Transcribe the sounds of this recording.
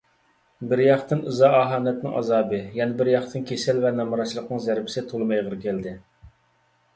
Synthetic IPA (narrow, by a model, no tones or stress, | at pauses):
bɪɾjɑχt̪ɨnɨzɑɑːɦɑːnɛt̪nɪ̰ŋʔɑ̰zɑːbɨjɛnɪbɪɾjɑχt̪ʰɨnkʲesɪlvɛnɑmɑɾɑʃlˠəqnɨŋzæɾbɪsɪt̪ʰolˠmɑjʁəɾkʲʰɛld̪ɪ